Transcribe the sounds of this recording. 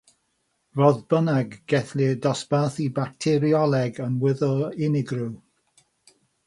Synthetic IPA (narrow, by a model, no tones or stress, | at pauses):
rɔðbənaɡɡɛθlɪdɔsb̥aːθibak̚tʰɪɾiɔlˠɛɡənwɪðɔlˠɪnɪɡrɪw